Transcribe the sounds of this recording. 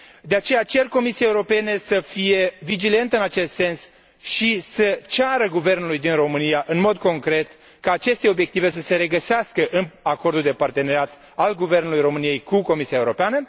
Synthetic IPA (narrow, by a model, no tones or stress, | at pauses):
d̪eat͡ʃe̞jat͡ʃe̞rko̞misiaeuɾo̞pe̞nesəfije̞vid͡ʒile̞nt̪əɨnat͡ʃe̞st̪se̞ns | ʃisət͡ʃaɾəɡuve̞rnulujd̪inro̞mɨnijaʔɨnmo̞d̪̚ko̞ŋkɾe̞t̪ | kaːt͡ʃe̞st̪e̞o̞bje̞k̚t̪ive̞s̬əse̞ɾe̞ɡəseaskəʔɨnako̞rd̪uld̪e̞part̪e̞neɾeat̪ | alɡuve̞rnulujɾo̞mɨnije̞jkuko̞misiaeuɾo̞peanə